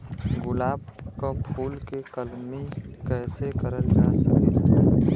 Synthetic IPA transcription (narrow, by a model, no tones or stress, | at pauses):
ɡʊlaːbkapʰuːlkekəlmikɛːsekəɾəld͡ʒaːsəki